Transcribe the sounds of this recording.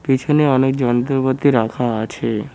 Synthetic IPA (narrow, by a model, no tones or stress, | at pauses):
pit͡ʃʰeneənek̚d͡ʒənt̪əɾpət̪ːiɾakʰãːt͡ʃʰe